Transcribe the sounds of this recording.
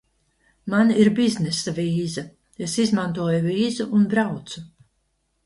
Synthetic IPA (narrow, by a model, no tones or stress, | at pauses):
maniɾbiznesaviːzɐ | esizmant̪uɔjuviːzuʔunbɾawt̪su